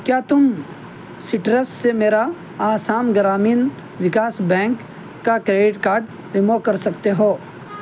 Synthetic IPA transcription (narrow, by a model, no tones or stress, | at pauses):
kjaːt̪ʊm | sɪʈɾəssemeːɾa | aːsaːmɡəɾaːmiːn | ʋɪkaːsbɛ̃ːŋkː | akɾeːɖɪʈkaːɾɖ | ɾɪmokɐɾsɐkt̪eɦoː